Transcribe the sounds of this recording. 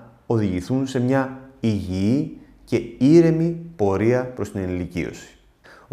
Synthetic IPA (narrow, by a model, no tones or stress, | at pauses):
o̞ðiʝiθunse̞mɲɐiʝii | ce̞iɾe̞mipo̞ɾiɐpɾo̞st̪inenlicḭo̞̰si̥